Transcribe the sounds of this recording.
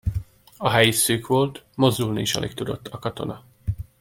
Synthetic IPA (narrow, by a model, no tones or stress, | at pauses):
ɒɦɛjisøːkʋo̞lt̪mo̞zd̪ulniːʃɒ̰lʔḛk̚t̪ud̪o̞̰t̪ːɒkɒt̪o̞̰nɒ